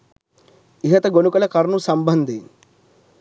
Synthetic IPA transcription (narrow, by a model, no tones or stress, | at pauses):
iɦɐt̪ɐɡonukɐlɐkɐɾnusɐmbɐnd̪i